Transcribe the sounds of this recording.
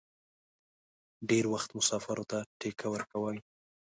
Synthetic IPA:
ɖeɾwaxt̪mʊsɑfaɾot̪aʈekʰawəɾkawəj

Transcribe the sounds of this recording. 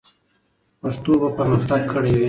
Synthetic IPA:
paʂt̪obapəɾməxt̪aɡ̚kʰəɽewe

